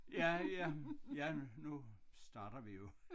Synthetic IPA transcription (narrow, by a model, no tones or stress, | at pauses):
jæjæjænusd̥ɑ̈ːɾ̥ɐʋijo